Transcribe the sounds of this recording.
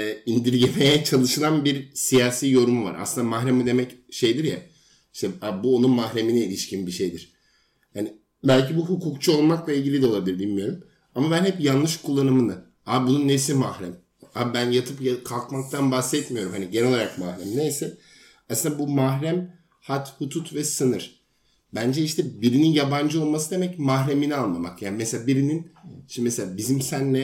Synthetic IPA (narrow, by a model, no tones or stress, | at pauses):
ind̪iɾɟeme̞jɛt͡ʃʰalˠɯʃɯlˠanbiɾsijaːsiːjo̞ɾumuva̰ɾa̰sɯnd̪amaɦɾemid̪e̞mɛcʃe̞jd̪iɾja | i̥ʃt̪ʰɛabuonunmahɾe̞minɛilʲiʃcinbiʃe̞jd̪iɾ̥ | hani | bælʲcibuɦukʰukt͡ʃʰuo̞lˠmaklˠailʲɟilʲid̪ɛo̞lˠabilˠɯɾbilʲmijo̞ɾum | amabænhɛpjanlːɯʃkʰulˠːanɯmɯnɯa | abununːes̬imahɾæm | abænjat̪ʰɯpjakʰalˠkmak̚t̪ʰanbaxsɛt̪mijo̞ɾumhaniɟenɛlo̞lˠaɾakmahɾæmnejsɛ | asɯnd̪abumaɦɾæm | hat̪hut̪ʰut̪vɛsɯnɯɾ̥ | bænd͡ʒɛiʃt̪ʰɛbiɾininjaband͡ʒɯo̞lˠmasɯd̪e̞mɛcmaɦɾeminianlˠama̰kjaːnimeselʲaːbiɾininʃimeselʲaːbizimsænːɛ